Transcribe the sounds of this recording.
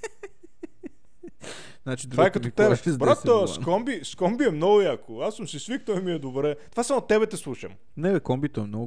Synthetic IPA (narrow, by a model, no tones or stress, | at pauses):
znat͡ʃid̪vaɛkɐt̪ɔt̪ɛbɛbɾat̪ːɔskɔmbiskɔmbiɛmnɔɡʊjakoasumsisvik̚t̪ɔimiɛd̪obɾɛt̪ovasamot̪ɛbɛt̪ɛslˠuʃɐm | nɛdɛkɔmbit̪oɛmnɔɡ